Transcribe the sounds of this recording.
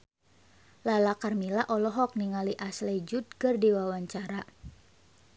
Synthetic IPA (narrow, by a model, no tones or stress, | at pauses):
lalakarmilaʔɔlɔɦɔk̚niŋaliʔaslɛd͡ʒut̪̚kɨrdiwawaɲt͡ʃaɾa